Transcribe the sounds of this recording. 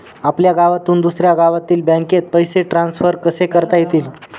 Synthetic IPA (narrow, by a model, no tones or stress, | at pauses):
apljaɡaʋat̪uːnd̪usɾjaɡaʋat̪iːlbãŋket̪̚pəjseʈɾansfəɾkəsekəɾt̪ajet̪iːl